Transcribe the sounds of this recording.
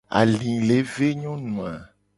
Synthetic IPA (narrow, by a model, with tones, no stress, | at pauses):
a̰˨lĩ˨le˨˦ve˦ɲɔ̃˦nũ˨a˨